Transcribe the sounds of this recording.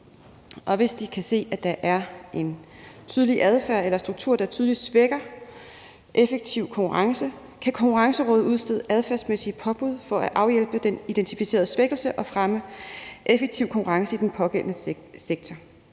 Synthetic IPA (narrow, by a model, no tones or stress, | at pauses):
ʔɒ̽ʋe̝sd̥ikʰæse̝̰ːæd̥ɑ̈ʔæɐʔe̝nt͡sʰyːð̞ˠliʔæð̞ˠfæɐ̰elɐsd̥ʁuɡ̥t͡sʰuɐ̰d̥ɑ̈t͡sʰyðˠlid̥sʋeɡ̥ɐ | ʔefeɡ̥̚t͡sʰiʊ̰kʰɒ̽ŋkʰuʁɑ̈ŋsə | kʰækʰɒ̽ŋkʰuʁɑ̈ŋsəʁɔːð̩ˠuð̞ˠsd̥e̝ð̰ˠəʔæð̞ˠfæɐsmesipʰɒ̽b̥uð̞̰ˠfɒ̽æʔɑ̈ʊjel̰b̥əd̥enid̥ent͡sʰifise̝̰ːɐð̞ˠəsʋeɡ̥l̩səʔɒ̽fʁaməʔefeɡ̥̚t͡sʰiʊ̰kʰɒ̽ŋkʰuʁɑ̈ŋsəid̥enpʰɒ̽ɡ̥en̰nə | seɡ̥̚t͡sʰɒ